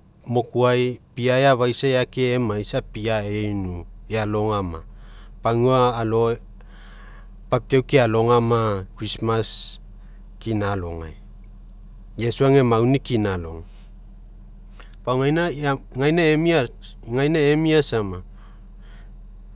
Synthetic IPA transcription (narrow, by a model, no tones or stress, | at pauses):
mo̞kuajpiaeaβajsajakeemajsapiaejnuealo̞ŋama̰ | paŋuaːlo̞ | pap̚tewkialo̞ŋamakɾismas | kinalo̞̰ŋa̰j | jesuaŋe̞mawnikinalo̞̰ŋ | paŋajnaŋajnaemia | ŋajnaemiasama